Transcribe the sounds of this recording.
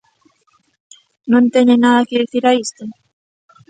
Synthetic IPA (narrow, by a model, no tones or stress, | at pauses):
nõnt̪eɲenaðɐkɪðiθiɾaist̪o